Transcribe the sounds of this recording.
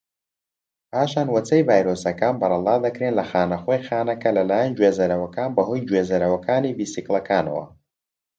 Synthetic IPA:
paːʃaːnwɐt͡sɐjvaːjɾoːsɐkaːnbɐrˤɑlˠɑːd̪ɐkɾeːnlɐxaːnɐxoːjxaːnɐkɐlɐlaːjɐnd͡ʒweːzɐɾɐwɐkaːnbɐɦoːjd͡ʒweːzɐɾɐwɐkaːniviːsiklˠɐkʰaːnɐ̰wɐ̰

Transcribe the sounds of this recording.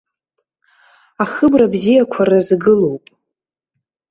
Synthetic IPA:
aχɨbrabzijakʷʰarazɡɨlowpʼ

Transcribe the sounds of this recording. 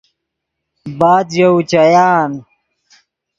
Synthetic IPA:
baːd̪jɐut͡ɕɐjaːn

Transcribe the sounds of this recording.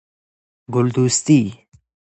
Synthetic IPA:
ɡʊld̪ust̪i

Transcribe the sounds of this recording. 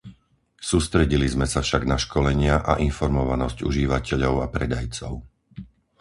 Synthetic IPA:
suːst̪ɾɛɟilizmɛsafʃaɡnaʃkɔlɛɲɪaʔaʔinfɔɾmɔʋanɔzcṵʒiʋacɛʎɔʊapɾɛd̪ajt͡sɔʊ

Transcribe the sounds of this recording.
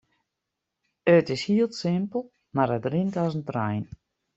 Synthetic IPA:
ətɪshiəlˠtsɪmpəlˠ | maɾətrɪntɔsən̩trɛ̰jn

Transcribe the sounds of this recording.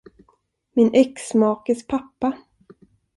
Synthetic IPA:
mɪnʔɛksmɑːkəspʰapːa

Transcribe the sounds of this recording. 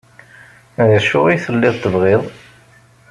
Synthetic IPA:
ðəʃʊ̰ʁiθəlːɪðˤt̪ːəvʁeðˤ

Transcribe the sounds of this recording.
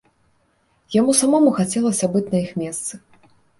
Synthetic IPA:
jamusamɔmuxat͡sʲɛlˠɐsʲɐbɨt͡sʲnɐixmʲɛst̪sɨ

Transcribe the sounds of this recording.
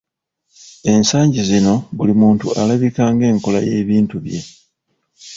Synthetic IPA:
e̞nsaːɲɟizino̞βulimuːntṵalaβikaːŋɡe̞ːŋko̞laje̞ːβiːntuβje̞̰

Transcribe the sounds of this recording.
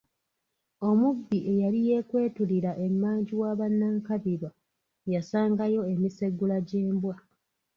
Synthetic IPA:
o̞mubːiʔe̞jalije̞kwe̞ːtuliɾaʔe̞mːaːɲɟiwaːβanːaːŋkaβiɾwa | jasaːŋɡajo̞emise̞ɡːulaɟe̞ːmbwa

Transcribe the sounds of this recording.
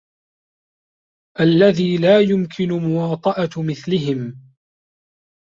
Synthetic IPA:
ʔalːaðiːlaːjʊmkʰɪnʊmʊwɑːt̪ˤɑʔɑmɪθlɪɦɪm

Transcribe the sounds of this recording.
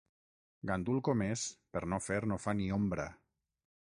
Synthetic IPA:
ɡand̪ulˠkomespəɾnofeɾnofaniombɾa̰

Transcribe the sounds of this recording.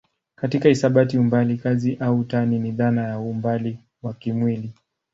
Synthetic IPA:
katikaisaɓatiumbalikaziʔautaniniðanajaumbali | wakimwili

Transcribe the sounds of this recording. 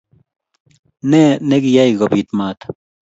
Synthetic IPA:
neneɡijaiɡopit̪maːt̪

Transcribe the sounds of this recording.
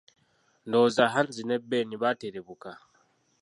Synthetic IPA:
ndozaɦanzinebːeniβateɾeβuka

